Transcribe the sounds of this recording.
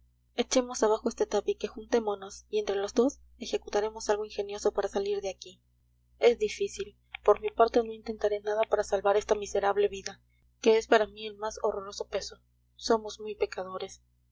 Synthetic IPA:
e̞t͡ʃe̞mo̞saβ̞axoe̞st̪et̪apike̞xunt̪e̞mono̞sient̪ɾe̞lo̞zd̪o̞s | e̞xe̞kut̪aɾe̞mo̞salɣo̞inxe̞njo̞so̞paɾasaliɾðeaki | e̞zðifisil | po̞ɾmipaɾt̪e̞no̞int̪e̞nt̪aɾe̞naðapaɾasalβaɾe̞st̪amise̞ɾaβle̞βiða | ke̞espaɾamie̞lmaso̞ro̞ɾo̞so̞pe̞so̞ | so̞mo̞zmujpe̞kaðo̞ɾe̞s

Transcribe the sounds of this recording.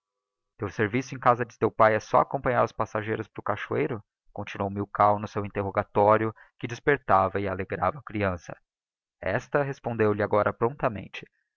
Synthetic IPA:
t̪ewseɾvisʊẽj̃kazɐd͡ʒɪsewpajɛsɔ̰akõpɐ̃ɲaɾʊspasaʒejɾʊspɾʊkaʃuejɾʊ | kõnt͡ʃinuowmiwkawnʊsewĩnt̪eɦoɡat̪ɔɾjʊ | kɪd͡ʒɪspeɾt̪avɐɪaleɡɾavɐːkɾiɐ̃sɐ̰ | ɛ̰st̪ɐɦespõnd̪ewlɪaɡɔɾʔɐpɾõnt̪ɐmḛ̃nt͡ʃɪ̥

